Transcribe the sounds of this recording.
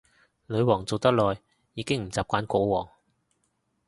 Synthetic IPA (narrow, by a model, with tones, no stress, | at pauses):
lɵ˨˧ɥwɔː˨˩ŋt͡so˨wt̪ɐ˥k̚lɔː˨jː | iː˨˧˥kɪ˥ŋm̩˨˩t͡saː˨p̚kʷaː˨˥nkɔː˨˥wɔː˨˩ŋ